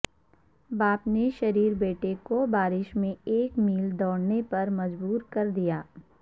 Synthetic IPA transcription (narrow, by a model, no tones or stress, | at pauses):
baːpneʃɐɾiːɾbeːʈekobaːɾɪʃmẽeːkmiːld̪ɔːɽnepɐɾmɐd͡ʒbuːɾkɐɾd̪ijaː